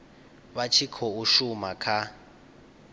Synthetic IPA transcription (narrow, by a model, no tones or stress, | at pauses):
βat͡ʃʰikʰɔuʃumakʰa